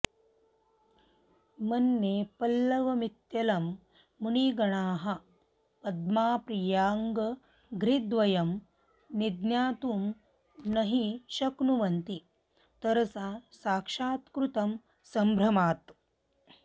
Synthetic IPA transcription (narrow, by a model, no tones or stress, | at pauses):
mɐnːeːpɐlːɐʋɐmit̪jɐlɐmː | uɳiɡɐɳaːɦɐ | pɐd̪̚maːpɾijaːŋɡɐ | ɡɾid̪ʋɐjɐm | nid̪njaːt̪uːm | nɐɦiʃɐknuʋɐnt̪i | t̪ɐɾɐsaːsaːkʂaːt̪kɾut̪ɐm | sɐmbʱɾɐmaːt̪